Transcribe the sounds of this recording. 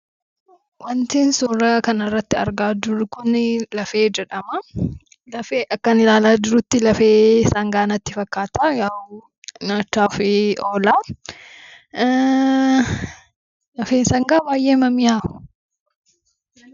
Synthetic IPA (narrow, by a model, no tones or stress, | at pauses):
wɐnt̪iːnsuːɾɐkɐnɐrːɐt̪ːɪɐɾɡaːd͡ʒʊɾʊkʊnɪlɐfe̞ːd͡ʒɛᶑɐmɐ | lɐfeːʔɐkːɐnɪlaːlaːd͡ʒɪɾʊt̪ːɪlɐfeːsɐŋɡaːnɐt̪ːɪfɐkːaːt̪ajaːw | nɐt͡ʃːaːfɪoːlaː | lɐfeːnsɐŋɡaːbaːjʔe̞ːmɐmɪjaːʊ̥